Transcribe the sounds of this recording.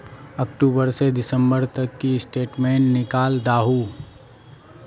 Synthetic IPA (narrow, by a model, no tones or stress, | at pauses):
ɐkʈuːbəɾsed̪ɪsə̃mbəɾt̪ɐkːiɪsʈeːʈmẽːʈnɪkaːld̪aːɦuː